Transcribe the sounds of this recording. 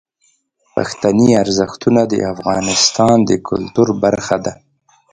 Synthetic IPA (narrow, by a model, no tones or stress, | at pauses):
pa̰xt̪aniaɾzəxt̪unad̪ə̰afɣɑnɪst̪ɑnd̪əkʰʊ̰lt̪uɾbaɾxad̪a